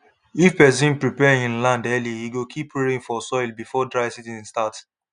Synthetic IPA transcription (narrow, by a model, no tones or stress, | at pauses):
ifpɛs̬ĩnpɹipɛĩnlãndɛlihiɡokʰipweɹĩŋfɔsɔɪlbifɔdɹaɪsitĩstat